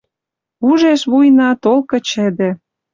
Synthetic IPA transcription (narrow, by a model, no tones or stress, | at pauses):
uʒeʃβujnɑt̪olkɤ̆t͡ɕĕd̪ĕ